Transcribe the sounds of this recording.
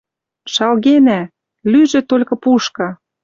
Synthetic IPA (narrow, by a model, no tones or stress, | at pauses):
ʃɑlɣenæ | lyʒĕt̪olʲkɤ̆puʃkɑ